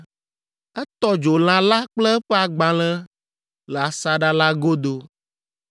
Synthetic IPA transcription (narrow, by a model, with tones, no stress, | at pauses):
ɛ˦t̪ɔ˦d͡ʒo˨l̃ã˨la˦k͡plɛ˦ɛ˦ɸɛ˦a˨ɡ͡bã˨l̃ɛ̃˦ | lə˨a˨sa˦ɖa˦la˦ɡo˦d̪o˦